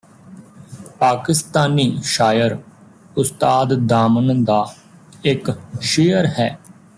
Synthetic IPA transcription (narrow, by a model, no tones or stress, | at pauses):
paːkɪst̪aːniːʃaːjəɾ | ʊst̪aːd̪d̪aːmənd̪aː | ɪkʃeːəɾhɛː